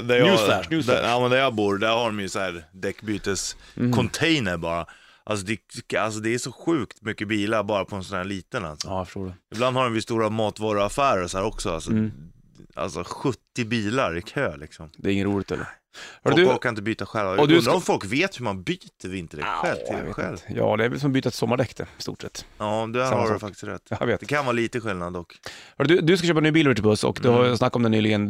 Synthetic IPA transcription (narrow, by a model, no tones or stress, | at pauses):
d̪æɾjæd̪amɛnd̪æɾjɑːbuːɾd̪æɾhaɖɔmjɵsɔæːɾd̪ɛkːbyːt̪əskʰɔnt̪ʰɛjnəɾbɑːɾa | ʔalsɔd̪ɛa̰ls̬ɔd̪ɛːʂɔɧʉ̟ːkt̪mʏkːəbiːlaɾbɑːɾapʰɔɛnsɔnæːɾɭiːt̪ənla̰lsɔfə̥ʂʈoːɖɛɪbland̪haɾdɔmvɪst̪uːɾamɑːt̪vɑːɾʊafæːɾəɾsɔhæːɾɔksɔa̰lsɔ | a̰lsɔɧɵt̪ːɪbiːlaɾɪkʰøːlɪ̰ksɔmd̪ɛːɾɪŋːənɾuːlɪɡt̪ʰɛ̰lːə̰ɾ | hœɖd̪ʉfɔlkʰːanɪnt̪əbyːt̪aɧɛlvaɔd̪ʉɵɾaɔmfɔlkveːt̪hɵmanbyːt̪əɾvɪnt̪əɭɛ̰k̪ɧɛlt̪ʰɪ̰ḛːtɧɛljɑ̰ːd̪ɛæɾvɛlsɔmbyːt̪at̪sɔmːaɖɛkːt̪ɛst̪ṵːʈsɛ̰t̪ːɑːd̪ɛaɛfakt̪ɪ̥sɾɛ̰t̪ːjaveːt̪d̪ɛkʰanvɑːɾliːt̪əɧɪlnad̪ɔkhœɖd̪ɵd̪ɵskaçʃøːp̬anyːbiːlvɛʈʰɪbɵsːɔ̰kd̪ɵhaɾsnakːɔmd̪ɛnyːlɪɡən